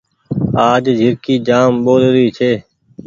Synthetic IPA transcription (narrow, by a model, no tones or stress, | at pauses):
aːd͡ʒd͡ʒʱɪɾkiːd͡ʒaːmɓoːlɾiːt͡ʃʰeː